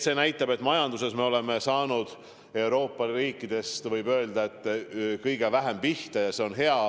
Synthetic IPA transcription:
se̞ːnæjt̪ːˑɑbe̞t̪ːˑmɑjɑnd̪use̞sme̞o̞le̞me̞sɑːnud̪̥ | e̞wɾo̞ːpˑːɑriːkːˑid̪̥e̞st̪vɤjbø̞eld̪ɑe̞t̪ːˑkɤjɡ̥e̞væɦempiht̪ɑjɑse̞o̞nɦe̞ɑ

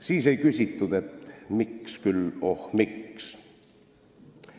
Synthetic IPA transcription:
siːse̞jkysʲit̪ːud̪̥et̪mikskylohmiks

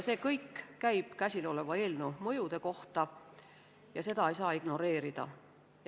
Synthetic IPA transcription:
se̞ːkɤjkːæjb̥kæsʲilo̞le̞vɑe̞ːlnumɤjud̪̥e̞ko̞ht̪ɑ | jɑse̞d̪̥ɑe̞jsɑːiɡ̥no̞ɾe̞ːɾid̪̥ɑ̰

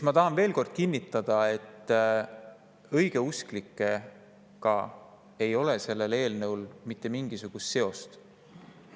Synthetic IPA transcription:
mɑt̪ɑɦɑnve̞ːlko̞rd̪̥̚kinʲːit̪ːˑɑd̪̥ɑe̞t̪ːˑ | ɤ̞jɡ̥e̞usklikˑːe̞ | kɑ̰ | e̞jo̞lese̞lːe̞le̞ːlnɤwlmit̪ːe̞miŋɡ̥isuɡ̥ust̪se̞o̞st̪

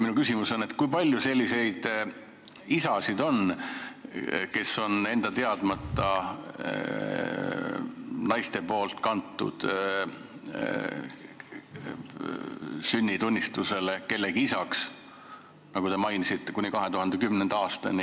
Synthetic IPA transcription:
minukysimuso̞nːet̪ˑkujpɑlʲjuse̞lʲːise̞jd̪̥ | isɑsid̪̥o̞n | ke̞sːo̞ne̞nd̪̥ɑt̪e̞ɑd̪̥mɑt̪ːɑ | nɑjst̪e̞po̞ːlt̪kɑnt̪ːˑṵd̪̥ | synʲːit̪unʲːist̪use̞le̞ke̞lːe̞ɡiisɑks | nɑɡut̪e̞mɑjnisit̪ːe̞kunʲikɑɦe̞t̪uhɑnd̪e̞kymnend̪̥ɑːst̪ɑ̰ni

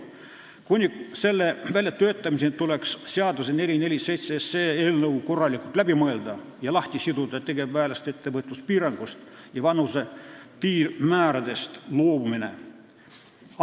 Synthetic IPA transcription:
kunʲise̞lːevælʲjɑt̪ːøːt̪ːˑɑmisent̪ule̞ksseɑd̪usene̞lʲine̞lʲise̞jt̪seeseːeːlnɤwko̞rːɑlʲikˑult̪læbimɤe̞ld̪ɑ | jɑlɑht̪ʲisid̪ud̪ɑet̪e̞ɡ̥e̞bvæːlest̪e̞t̪ːe̞vɤt̪ːˑuspiːɾɑŋɡ̥ust̪ | jɑvɑnuse̞piːrmæːɾɑd̪e̞st̪loːumine̞̰

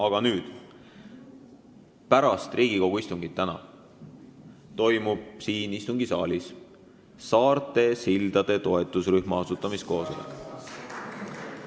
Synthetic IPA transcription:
ɑɡ̥ɑnyːd̪̥ | pæɾɑst̪riːɡ̥iko̞ɡ̥uist̪uŋɡ̥it̪ːænɑ̰ | t̪o̞jmub̥̚siːnist̪uŋɡ̥isɑːlʲis | sɑːrt̪ˑe̞sild̪̥ɑd̪̥e̞t̪o̞e̞t̪ːˑusryhmɑɑsut̪ːˑɑmist̪ko̞ːso̞lḛ

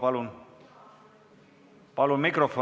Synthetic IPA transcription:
pɑlun | pɑlunmikrofo

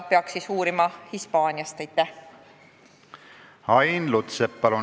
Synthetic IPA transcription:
peɑksisuːɾimɑhispɑːnʲijɑst̪æjt̪ːˑæ | hɑjnlut̪sepːɑlu

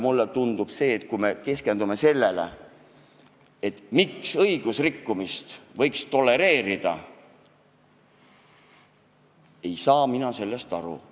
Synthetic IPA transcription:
mulːet̪und̪̥ub̥se̞ːt̪̚kujme̞ke̞ske̞nd̪ume̞se̞lːelḛ | et̪ːmiksɤjɡ̥usrikːumist̪vɤ̞jkst̪o̞lːe̞ɾe̞ːɾid̪̥ɑ̰ | e̞jsɑːminɑse̞lːest̪ɑɾṵ

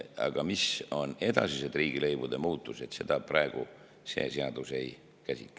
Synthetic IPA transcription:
ɑ̰ɡ̥ɑmiso̞ne̞d̪̥ɑ̰sised̪riːɡ̥ile̞jbud̪e̞muːt̪ˑːuse̞t̪se̞d̪̥ɑprɑeɡ̥u | se̞̰ːseɑd̪̥use̞j | kæsʲit̪ːˑ

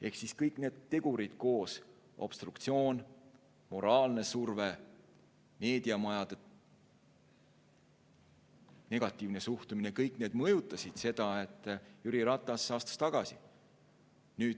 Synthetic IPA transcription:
e̞hksiskɤjkˑne̞ːd̪̥t̪ːe̞ɡ̥uɾid̪̥̚ko̞ːs | ʔo̞̰b̥st̪rukt̪sio̞ːn | mo̞ɾɑːlne̞surve | me̞ːd̪iɑmɑjɑd̪e | ne̞ɡ̥ɑt̪ːˑiːvne̞suht̪uminekɤjkˑne̞ːd̪mɤjut̪ːˑɑsid̪̥se̞d̪̥ɑe̞t̪ːˑjuɾiɾɑt̪ˑːɑsɑːst̪ɑst̪ɑɡ̥ɑsi | nyːd̥̪

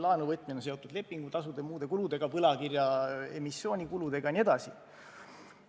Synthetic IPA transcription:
lɑːnuvɤt̪̚ːˑminense̞o̞t̪ːˑud̪le̞pˑːiŋɡ̥ut̪ɑsud̪emuːd̪e̞kulud̪e̞ɡ̥ɑpɤlɑkirjɑe̞misːjo̞ːnʲikulud̪e̞ɡ̥ɑnie̞d̪ɑsi

